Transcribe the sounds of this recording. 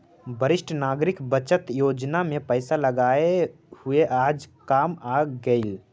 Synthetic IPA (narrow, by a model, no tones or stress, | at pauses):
bʱəɾɪsʈʰnaːɡɾɪkbət͡ʃət̪joːd͡ʒnamẽpəɪsaləɡaːe | hʊeʔaːd͡ʒkaːmaːɡəɪl